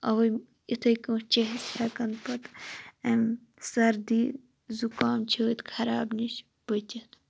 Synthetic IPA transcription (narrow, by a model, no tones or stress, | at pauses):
ɐʋɐ | it̪ʰɐjkũt͡ʃeɦsaːkɐnpɐt̪ɐm | sɐɾd̪iː | zukaːmt͡ʃʰit̪kʰɐɾaːbnit͡ʃʰ | bɐt̪ʲɐt̪